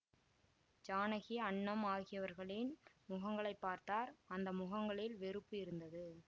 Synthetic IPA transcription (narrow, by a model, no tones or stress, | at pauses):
d͡ʒaːnɐɣiɐɳːɐmaːɣɪjɐʋɐɾɣɐɭɪn | mʊɣɐŋɡɐɭɐɪpːaːɾt̪aːɾɐnd̪ɐmʊɣɐŋɡɐɭɪlʋɛɾɯpːɯɪɾɯnd̪ɐðɯ